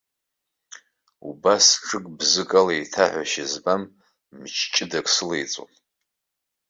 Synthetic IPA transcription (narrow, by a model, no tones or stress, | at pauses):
ṵbasʈ͡ʂʰɨkʼbzɨkʼalaitʰaħʷaʃɪzbamː | t͡ʃʰt͡ʃʼɪdakʼsɨlejt͡sʼo̰n